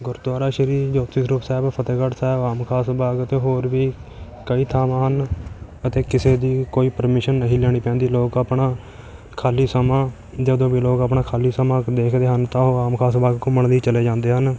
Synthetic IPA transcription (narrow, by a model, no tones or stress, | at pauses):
ɡʊɾd̪waːɾaːʃəɾiːd͡ʒoːt̪ɪsɾʊːpsɛːɪbpʰət̪eːkəʈsɛːbaːmkʰaːsbaːɡət̪eːɦoːɾʋiː | kəiːt̪ʰaːmãːɦən | ət̪eːkɪseːd̪iːkoːiːpəɾmɪʃənːəɦĩːlɛːɽ̃iːpɛ̃ːnd̪iːloːɡaːpɳaː | kʰaːliːsəmãː | d͡ʒəd̪õːbiːloːɡapɳaːkʰaːliːsəmãːd̪eːkʰd̪eːɦənt̪ãːɦoːaːmkʰaːsbaːɡkʊməɳd̪iːt͡ʃəleːd͡ʒãːnd̪eːɦən